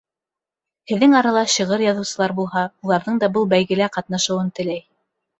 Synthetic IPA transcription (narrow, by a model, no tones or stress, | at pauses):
hɘ̆ðːɘŋɑɾɑlˠɑɕiʁɤɾjɑðɤ̆wsɤ̆lˠɑɾbulˠhɑulˠɑɾðɤɴd̪ɑbɤlˠbæjɣɘ̆læqɑt̪nɑʃɤ̆wɤnt̪ɘ̆læj